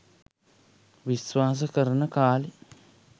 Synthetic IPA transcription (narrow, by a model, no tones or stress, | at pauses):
ʋisʋaːs̬əkəɾənəkaːli